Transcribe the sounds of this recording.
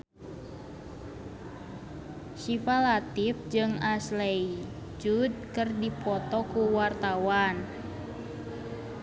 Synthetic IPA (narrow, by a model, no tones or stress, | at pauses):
sifalat̪if̚d͡ʒɨŋaslɛi | d͡ʒud̚kɨrdipɔt̪ɔkuwart̪awan